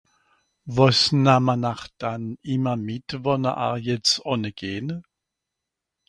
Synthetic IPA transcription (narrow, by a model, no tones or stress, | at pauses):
vɔsnamanaχd̥anɪmɐmɪtvɔnɐ̰ʔa̰ʁjɛt͡sɔnəɡ̥eːnə